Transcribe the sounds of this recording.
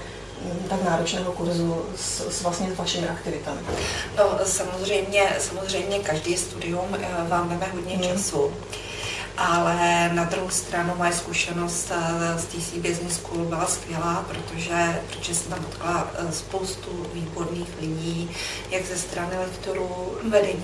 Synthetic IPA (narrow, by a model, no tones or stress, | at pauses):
t̪aknaːɾot͡ʃnɛːɦokuɾzu | ssvlast̪ɲɛzvaʃɪmɪʔakt̪ɪvɪt̪amɪno̞samozr̝ɛjmɲɛsamozr̝ɛjmɲɛkaʒdiːst̪udɪumvaːmdɛmɛɦo̞dɲɛt͡ʃasu | ʔalɛnad̪ɾuɦust̪ɾanumajskuʃɛno̞st̪st̪ɪsiːbjɪznɪskubɪlaskvjɛlaːpɾo̞t̪o̞ʒɛpɾot̪oʒɛsɛt̪amdot̪klaspo̞wst̪uviːbo̞dniːxlɪɟiː | jaɡzɛst̪ɾanɪlɛkt̪oɾuːvɛdɛɲiː